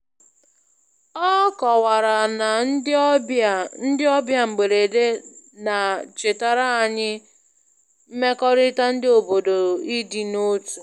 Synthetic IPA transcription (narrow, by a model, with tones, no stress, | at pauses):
ɔ˦kɔ˨wa˨ɾa˨na˨˦˨ | n̩˦dɪ˦ɔ˦bja˦ŋ͡m̩˨ɡ͡be˨ɾe˨de˦na˨t͡ʃe˨ta˨ɾa˦a˨ɲɪ˦ | m̩˦me˦kɔ˦ɾɪ˦ta˦n̩˦dɪ˦o˨bo˨do˨i˦di˨no˦tu˨